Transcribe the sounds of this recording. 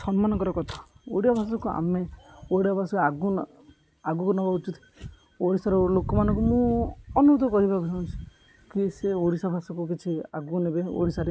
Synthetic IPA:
sɔnmanɔkɔɾɔkɔt̪ʰḁoɽijabʱasɔkua̰meoɽiabʱasɔkeaɡu | aɡukunɔbaut͡ʃut̪ʰi̥ | oɽisaɾɔlokɔmanɔ̃ŋkumũɔnuud̪ɔkɔɾibakusaũnt͡ʃʰu̥ | kiseoɽisabʱasɔkuk̬it͡ʃʰia̰ɡunebeo̰ɽisaɾe

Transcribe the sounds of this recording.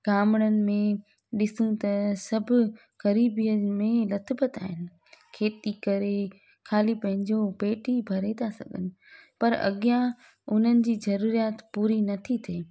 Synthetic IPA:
ɡaːməɽənɪ̆mẽ | ɗɪsũt̪ɐsɐbʱʊ̆ | ɣɐɾiːbijəmẽlɐt̪bət̪a̰ːɦɪnɪ̆ | kʰeːt̪ikɐɾe | kʰaːlipɐ̃ɦɪ̃ɲd͡ʑopeːʈʰibʱɐɾet̪ʰasɐ̰ɡʱə̰nɪ̆ | pɐɾɐ̰ɠija | ʊn̤ənɪ̆d͡ʑiːzɐɾuːɾijaːt̪puːɾinɐt̪ʰit̪ʰeː

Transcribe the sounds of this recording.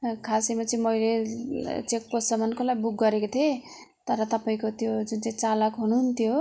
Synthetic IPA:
kʰasimat͡sĩmʌjle | t͡sek̚posʌmʌnkolajbuɡːʌɾekot̪ʰe | t̪ʌɾʌt̪ʌpaĩkot̪jod͡zunt͡saĩt͡salʌkɦunuɦunt̪ʰjo

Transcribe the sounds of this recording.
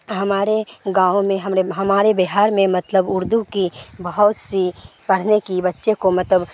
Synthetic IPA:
ɦɐmaːɾeɡãːõmẽɦɐmɾeɦɐmaːɾebɪɦaːɾmẽmɐt̪ləbʊɾd̪ukibɐɦɔːt̪sipɐɽ̤nekibɐtːʃekomɐt̪ləb

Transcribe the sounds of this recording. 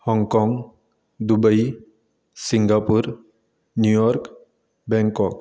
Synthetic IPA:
hɔŋɡkɔŋɡ | d̪ubəi | siŋɡapuɾ | njujɔɾk | bɛ̃ŋkɔk

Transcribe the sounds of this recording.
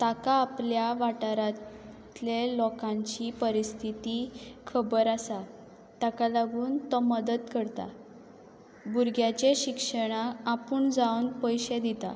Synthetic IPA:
t̪akaːpljaʋaʈaɾa | lelɔkãɲt͡ɕiːpəɾist̪ʰit̪ikʰəbəɾasa | t̪akalaɡuːnt̪ɔməd̪əd̪kəɾt̪a̰ | buɾɡʱjat͡ɕeɕikʂəɽ̃aːpuːɳd͡zawnpəjɕed̪it̪a̰

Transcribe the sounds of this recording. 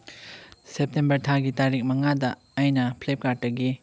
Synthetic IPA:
sep̚tembɐɾtʰaɡitaɾik̚mɐŋadɐ | ajnɐpʰlep̚kad̚ːɐɡi

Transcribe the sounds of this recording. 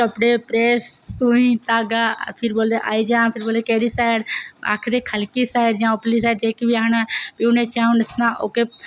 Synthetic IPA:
kəpɽeːpɾeːsːũĩt̪aːɡaːpʰɪɾboːld̪eʔaːid͡ʒãːpʰɪɾboːld̪eːkeːɽiːsaːɪɽa̰ːkʰd̪eːkʰəlkiːsaːɪɖd͡ʒãːoplisaːɪɖd͡ʒeːkibianãːpiunẽːt͡ʃãːũnəsnaːʔoːke

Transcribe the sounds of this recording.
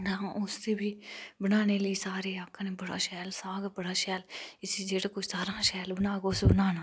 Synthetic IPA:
d̪ãːʔʊst̪eːbʱiːbənaːneːləiːsaːɾeːaːkʰãneːbəɽa̰ːʃɛːlsaːɡbəɽaːʃɛːlɪsiːd͡ʒeːɽaːkʊt͡ʃʰsaːɾãːʃɛːlbənaːɡʊsbənaːnaː

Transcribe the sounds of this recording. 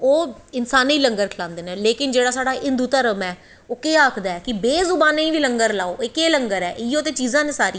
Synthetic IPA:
oːɪnsaːniːləŋɡəɾkʰɪlãːnd̪eːnẽːleːkɪnd͡ʒeːɽaːsaːɽaːʔɪnd̪uːt̪əɾəmɛː | oːkeːaːkʰd̪aːɛːkɪbeːzʊbaːnẽĩːʋiːləŋɡəɾlaːoːɪkeːləŋɡəɾɛ̰ːʔɪoːt̪eːt͡ʃiːzãːneːsaːɾiː

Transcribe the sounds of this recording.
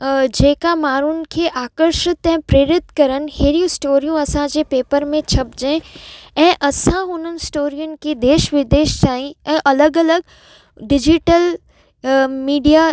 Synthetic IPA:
d͡ʑeːkamaːɾʊnɪ̆kʰeːʔaːkəɾʃɪt̪ɛ̃ːpɾeːɾɪt̪kɐɾən̆heːɾijũsʈoːɾijũɐsãd͡ʑeːpeːpəɾmẽt͡ɕʰɐb̚d͡ʑẽɛ̃ːʔɐsãɦʊnənɪ̆sʈoːɾijʊnɪ̆kid̪eːʃʋɪd̪eːʃtaːɦĩɛ̃ːʔɐləɡɐləɡ | ɖɪd͡ʑɪʈəl | miːɖija

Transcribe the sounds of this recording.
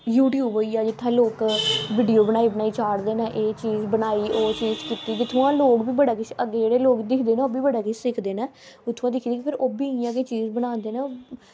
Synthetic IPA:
juːʈjuːboːiːaːd͡ʒɪt̪ʰːãːloːkʋiːɖijoːbənaːiːbənaːiːt͡ʃaːɽd̪eːnãːʔeːt͡ʃiːzbənaːiːoːt͡ʃiːzkɪt̪iːd͡ʒɪt̪ʰːʊãːloːkbiːbəɽaːkɪt͡ʃʰəɡːeːd͡ʒeːɽeːloːkd̪ɪkʰd̪eːnaːoːbiːbəɽaːkɪt͡ʃʰsɪkʰd̪eːnɛː | ʊt̪ʰːãːd̪ɪkʰːd̪iːkɪpʰɪɾoːbiːiãːɡeːt͡ʃiːzbənãːnd̪eːneːoː

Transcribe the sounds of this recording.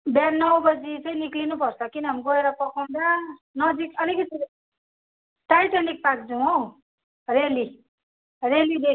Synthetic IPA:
bjanʌwbʌd͡zit͡sʌj̃niklinupʌrt͡sʰʌkinʌɦamiɡʌeɾʌpʌkʰaw̃nd̪anʌd͡zikʌlikʌt̪i | ʈajt̪anik̚pak̚d͡zuwow | reli | relid̪e

